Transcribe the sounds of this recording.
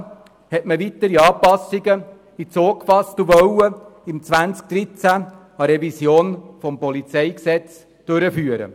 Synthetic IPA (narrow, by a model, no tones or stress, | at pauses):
hɛtməvit̪əɾiɑːpɑsiɡə | it͡soːkfɑstuʋœwəimt͡sʋænt͡sk̚d̥ɾit͡sæ | ɑɾɛvisjoːnfɔmpɔlit͡sɛɪksɛt͡s | d̥ʉɾəfyːəɾə̰